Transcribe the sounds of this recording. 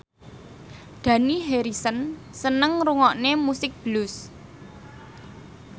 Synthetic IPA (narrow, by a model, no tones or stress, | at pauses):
d̪̥ä̤niɦeɾisən | sənəŋɾuŋɔʔnemusɪk̚b̥əlʊs